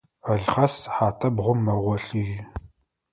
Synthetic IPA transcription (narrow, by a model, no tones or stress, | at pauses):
ɐɮχɐsħaːtʰɐbʁʷʊmːɐʁʷɔɬɨʒɪ